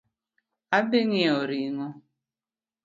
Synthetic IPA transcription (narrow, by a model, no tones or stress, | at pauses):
abeŋɪoɾiŋo